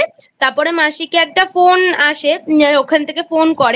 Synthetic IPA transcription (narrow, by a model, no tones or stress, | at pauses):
e | t̪aɾpɔɾemaʃikeɛk̚ʈafonaʃeokʰant̪ʰekefonkɔɾe